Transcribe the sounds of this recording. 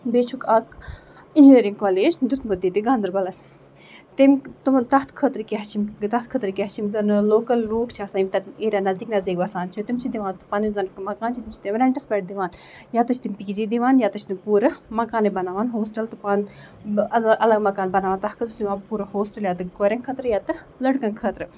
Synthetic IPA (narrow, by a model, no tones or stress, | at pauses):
beːt͡ʃʰukɐk | ind͡ʒiniɾiŋɡkoːleːd͡ʒd̪ut̪ʰmud̪it̪iɡɐ̃nd̪ɨɾbɐlɐs | t̪imt̪umt̪ɐɦt̪ʰkʰət̪ɾkiɦɐt͡ʃʰimt̪ɐt̪̚kʰət̪ɾkʲiɦt͡ʃʰimzɐnloːkɐlɾuːkt͡ʃʰiɐsaːimt̪ɐeːɾaːnɐzd̪iːknɐzd̪iːkbɐsaːnt͡ʃʰit̪imt͡ʃʰid̪iʋaːnt̪ɨ̥pɐnizɐnkmɐkaːnt͡ʃʰit̪imt͡ʃʰt̪imɾɐɳʈɐsbɐʈ̚d̪iʋaːn | jaːt̪ɨt͡ʃʰt̪imʲpiːd͡ʒid̪iʋaːnjaːt̪ut͡ʃʰt̪imʲpuːɾɨmɐkaːnebɐnaːʋaːnɦoːsʈɐlt̪ɨpan | ɐʔɐlɐɡmɐkaːnbɐnaːʋaːnt̪ɐhkʰɨt̪ut͡ʃʰd̪iʋaːpuːɾɨhoːsʈɐljaːt̪ɨɡoɾʲɐnkʰɐt̪ɾɨjaːt̪ɨ | lɐɽkɐnkʰəːt̪ɾɨ